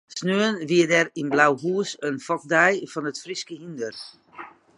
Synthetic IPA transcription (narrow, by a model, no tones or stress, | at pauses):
snøːənʋiədɛrinblawɦuəsənfɔk̚dɛjfɔnətfriskəhindər